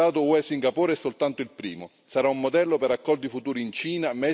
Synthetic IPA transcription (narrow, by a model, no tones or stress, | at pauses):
aːt̪ʊuɛsiŋɡapuːɾɛsːolt̪ant̪ʊilpɾḭːmʊ | saɾaumːod̪ɛlːʊpeɾakːɔld̪ifut̪uːɾiːnt͡ʃiːnamɛ